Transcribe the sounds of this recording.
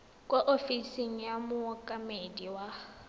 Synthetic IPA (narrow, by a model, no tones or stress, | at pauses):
kʼwoʔofisiŋ̩jamʊɔkʼamediwa